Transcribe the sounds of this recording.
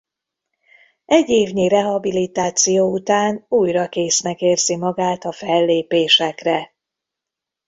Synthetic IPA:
ɛɟːeːvɲirɛɦɒbilit̪aːt̪sijoːut̪aːnuːjrɒkeːsnɛkeːrzimɒɡaːt̪ɒfɛlːeːpeːʃɛkrɛ

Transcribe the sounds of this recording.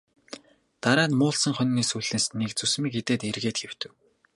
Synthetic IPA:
t̪aɾaːt̪mʊːɮsə̆ŋχœnʲːiːsuɮɘ̆nsnekt͡sɵsmiːket̪eːt̪erɣeːt̪ɡew̥t̪ɘ̆w

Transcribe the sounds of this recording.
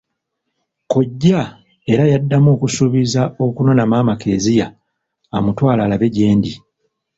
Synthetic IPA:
ko̞ɟːa | e̞ɾajadːamoːkusuβizao̞kuno̞namaːmakʰe̞ːzijaː | mutwaːlalaβe̞ɟe̞ːndi

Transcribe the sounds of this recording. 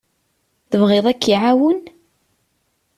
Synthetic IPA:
θəvʁeðˤækːiʕawən

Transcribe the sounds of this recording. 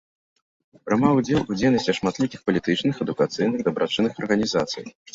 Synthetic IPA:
pɾɨmawd͡zʲɛlˠud͡zʲejnɐsʲt͡sʲɐʂmat̪lʲikʲixpɐlʲit̪ɨt͡ʂnɨxɛd̪ukat̪sɨjnɨɣd̪ɐbɾat͡ʂɨnɨxɐrɣɐnʲizat̪sɨ̰j

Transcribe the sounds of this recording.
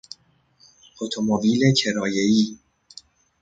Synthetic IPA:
ot̪ʰomobiːlecʰe̞ɾɒːjeiː

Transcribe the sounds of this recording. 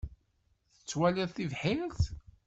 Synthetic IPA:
θə̥t͡sːwæliðθivħɪɾθ

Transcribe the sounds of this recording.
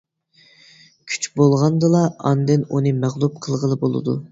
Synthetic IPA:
kʲʰy̥t͡ʃbolˠʁɑnd̪ɨlˠɑɑ̰nd̪ɨnunɨmæʁlˠup̚qʰəlˠʁəlˠɨbolˠɨ̰d̪u

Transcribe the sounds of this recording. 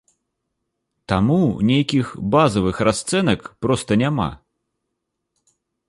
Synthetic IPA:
t̪amunʲejkʲixbazɐvɨxrast̪sɛnɐkpɾɔst̪ɐnʲama̰

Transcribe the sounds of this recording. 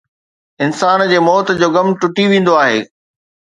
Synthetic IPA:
ɪnsaːnd͡ʑeːmɔːt̪d͡ʑoːɡɐmʈʊʈiʋẽːn̆d̪oaːɦeː

